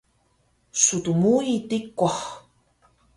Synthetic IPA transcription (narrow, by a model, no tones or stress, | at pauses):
sut̪umuit̪ikːʷaχ